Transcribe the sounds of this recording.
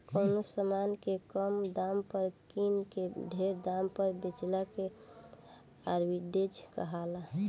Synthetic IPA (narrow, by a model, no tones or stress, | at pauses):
koːnosəmankekəmd̪ampəɾkinkeɖʱeɾd̪ampəɾbit͡ʃlake | aɾbiɖed͡ʒkəɦala